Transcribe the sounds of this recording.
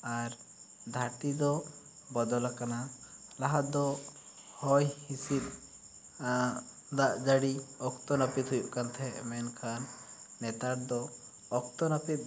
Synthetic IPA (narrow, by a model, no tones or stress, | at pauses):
aɾ | d̪ʱaɾt̪id̪ɔ | bɔd̪ɔlakanalaɦat̪d̪ɔ | hɔjhisit̪̚ˀ | d̪aʔd͡ʒaɽiɔkt̪ɔnapit̪ɦujuʔkant̪ʰɛʔmɛnkʰanːɛt̪aʈ̚d̪ɔː | k̚t̪ɔnapit̪̚